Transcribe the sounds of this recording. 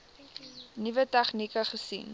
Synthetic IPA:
nivətɛχnikəχəsḭn

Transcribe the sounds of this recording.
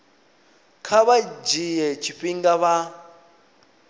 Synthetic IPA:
kʰaβad͡ʒijɛt͡ʃʰiɸiŋɡaβa

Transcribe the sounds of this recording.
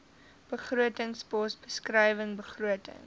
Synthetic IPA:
b̥əχruətəŋspɔsbəskrəjvəŋbəχruətə̰ŋ

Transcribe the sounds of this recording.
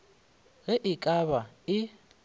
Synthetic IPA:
ɣɛʔɪkʼaβaɪ

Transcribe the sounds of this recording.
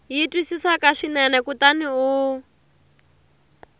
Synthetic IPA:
jitwisisakaʂinɛnɛkutaniu

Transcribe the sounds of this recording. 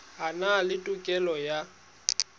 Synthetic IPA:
ɦanalɪtʼʊkʼɛlɔja

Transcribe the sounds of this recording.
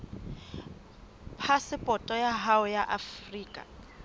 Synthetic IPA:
pʰasɪpʼɔtʼɔjaɦaʊjaʔafriːkʼa̰

